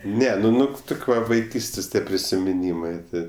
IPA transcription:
ˈnʲɛ nʊ ˈnʊ ˈtʊkʲ ˈʋɐ ʋɐɪˈkʲiːsʲtʲeːsʲ ˈtʲiɛ pʲrʲɪsʲɪmʲɪˈnʲiːmɜ ˈtʲɪ

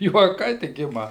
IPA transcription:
juɔˈkɐɪ tʲɪk ˈɪmɐ

